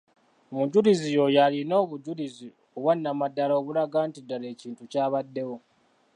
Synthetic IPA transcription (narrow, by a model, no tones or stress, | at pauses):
muɟulizijo̞jalino̞ːβuɟulizi | oβwanːamadːalaoβulaɡaːntidːale̞ːciːntucaːβadːe̞wo̞